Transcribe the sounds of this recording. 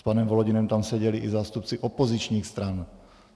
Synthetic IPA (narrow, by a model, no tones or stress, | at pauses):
spanɛmvolɔɟɪnɛmt̪amsɛɟɛliʔɪzaːst̪up̚t͡sɪʔopozit͡ʃɲiːxst̪ɾan